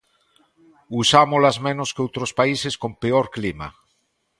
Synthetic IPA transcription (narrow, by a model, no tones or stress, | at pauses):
usamolazmẽnoskeowt̪ɾospaiseskompeoɾklima̰